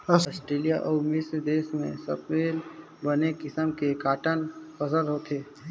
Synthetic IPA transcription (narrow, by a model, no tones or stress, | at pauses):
ɔɔːsʈɾeːlijaʔɔːɾmɪsd̪eːsmḛ̃sə̰pʋeːl | bənekɪsəmkekaːʈənfəsəlɦoːt̪eː